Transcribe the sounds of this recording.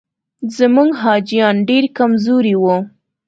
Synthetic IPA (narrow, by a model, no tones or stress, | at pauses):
zəmuŋɡɦɑd͡ʒjɑnɖeɾkamzoɾiwu